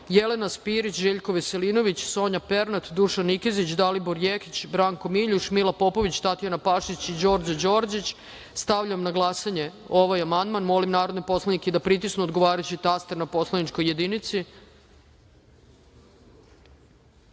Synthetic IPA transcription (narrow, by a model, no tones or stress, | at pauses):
jelenaspiɾit͡ɕʒeʎko̞ʋeseliːno̞ʋit͡ɕso̞ːɲapeɾnat̪d̪uʃanːikezit͡ɕd̪aliboɾjekit͡ɕbɾaːŋko̞miʎuʃmilˠapo̞po̞ʋit͡ɕt̪at̪ijanapaʃit͡ɕid͡ʑo̞ɾd͡ʑad͡ʑo̞ːɾd͡ʑit͡ɕ | st̪aʋʎamnaɡlˠasaɲe̞ | o̞ʋajamand̪manmo̞limnaːɾod̪nepo̞slˠaniked̪apɾit̪̬isnuod̪ɡo̞ʋaːɾat͡ɕit̪ast̪eɾnapo̞slˠanit͡ʃko̞jːe̞d̪init̪si